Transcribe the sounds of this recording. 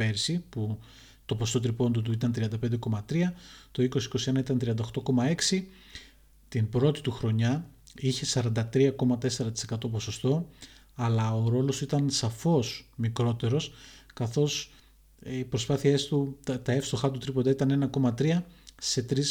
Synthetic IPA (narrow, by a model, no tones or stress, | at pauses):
e̞ɾsipu | t̪o̞po̞st̪o̞t̪ɾipo̞nd̪ot̪̬uit̪ɐnt̪ɾiɐnd̪ɐpend̪e̞ko̞mɐt̪ɾiɐt̪o̞iko̞si̥ko̞sie̞nɐit̪ɐnt̪ɾiɐnd̪ɐoxt̪o̞ko̞mɐe̞ksi | t̪inbɾo̞t̪i̥t̪uxɾo̞ɲɐ | içe̞sɐɾɐnd̪ɐt̪ɾiɐko̞mɐt̪e̞se̞ɾɐt̪i̥se̞kɐt̪o̞po̞so̞st̪o̞ | ɐlɐo̞ɾo̞lo̞st̪uit̪ɐnsɐfo̞smikɾo̞t̪e̞ɾo̞skɐθo̞s | ipɾospɐθie̞st̪ut̪ɐe̞fst̪o̞xɐt̪ut̪ɾipod̪ɐit̪ɐne̞nɐko̞mɐt̪ɾiɐse̞t̪ɾis